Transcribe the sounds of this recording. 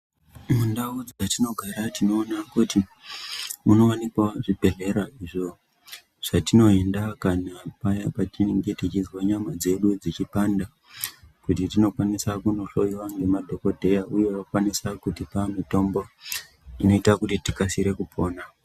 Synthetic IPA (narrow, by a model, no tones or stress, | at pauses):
mundaud͡zatino̞ɡʱaɾatino̞ːnakuti | muno̞anikwaʐibʱe̞ɮe̞ɾaiʐo̞ | ʐ̥atino̞endakanapajapat͡ʃiŋɡetit͡ʃizwaɲamad͡ze̞ɗud͡zit͡ʃipanda | kutitino̞kwanisakuno̞ɬo̞jiwaŋɡe̞madʱo̞ko̞dʱe̞jauje̞wakwanisakutipamito̞mbo̞ | ino̞itakutitikasiɾe̞kupʰo̞ːna